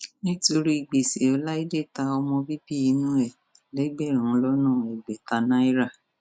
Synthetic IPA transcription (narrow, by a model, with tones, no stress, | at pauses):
nĩ˦to˧ɾi˦i˨ɡ͡be˨se˨ɔ˨˧˦la˦i˦de˦˨ta˧ɔ˧mɔ̃˧bi˦bi˦i˨˧˦nũ˦ɛ˦˨ | lɛ˨˦ɡ͡bɛ˦˨ɾ̃ũ˨˦lɔ˦nã˦˨i˨ɡ͡be˨ta˧nã˦i˦ɾa˦˨